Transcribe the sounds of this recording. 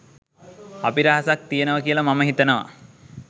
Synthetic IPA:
apiɾəɦasak̚t̪ijenəʋəkijələmaməɦit̪ənəʋa̰

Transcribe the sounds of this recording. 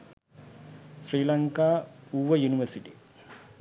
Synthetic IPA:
sriːlɐŋkaːuːʋɐjuniʋɐsiʈi

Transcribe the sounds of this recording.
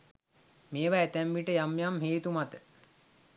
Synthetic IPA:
meːʋaæt̪æmʋiʈəjamːjamɦeːt̪umat̪ə

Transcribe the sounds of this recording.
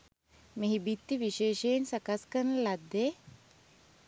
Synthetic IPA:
meɦibit̪ːiʋiʃeːʃejensakaskəɾnəlad̪ːe

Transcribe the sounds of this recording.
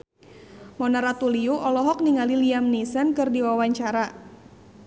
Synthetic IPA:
mɔnaɾat̪uliuʔɔlɔɦɔk̚niŋaliliamnisənkɨrdiwawaɲt͡ʃaɾa

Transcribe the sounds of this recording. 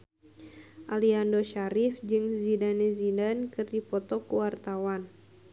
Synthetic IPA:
ʔaliandoʃaɾifd͡ʒɨŋzidanɛzidankɨrdipɔt̪ɔkuwart̪awan

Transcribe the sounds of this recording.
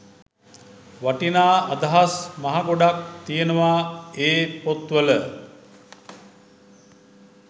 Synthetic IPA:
ʋaʈinaːad̪aɦasmaɦaɡoɖak̚t̪ijənəʋaeːpot̪ʋələ

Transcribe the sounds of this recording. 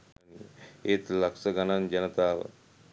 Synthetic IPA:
net̪lɐksɐɡɐnand͡ʒɐnət̪a̰ː

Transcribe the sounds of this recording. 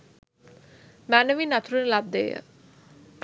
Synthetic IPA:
mæːnəʋinat̪ʰuɾunəlab̚d̪ḛːjə̰

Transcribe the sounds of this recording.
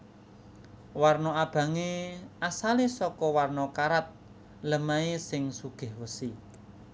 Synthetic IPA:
warnɔab̥ä̤ŋeasalesɔkɔwarnɔkaɾat̪̚ | ləmaesɪŋsuɡ̥ɪ̤hwəsi

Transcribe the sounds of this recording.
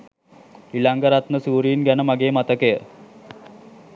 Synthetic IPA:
ilaŋɡəɾat̪nəsuːɾiːnɡænəmaɡeːmat̪əkəjə

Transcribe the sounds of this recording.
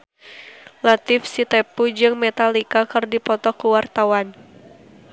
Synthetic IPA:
lat̪ɪfsit̪ɛpud͡ʒɨŋmɛt̪alikakɨrdipɔt̪ɔkuwart̪awan

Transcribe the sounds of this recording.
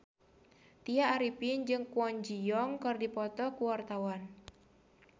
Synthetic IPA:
t̪iaːɾipind͡ʒɨŋkwɔɲd͡ʒijɔŋkɨrdipɔt̪ɔkuwart̪awan

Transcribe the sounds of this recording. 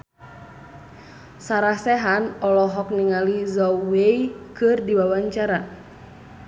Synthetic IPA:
saɾahsɛɦanɔlɔɦɔk̚niŋalizɔwejkɨrdiwawaɲt͡ʃaɾa

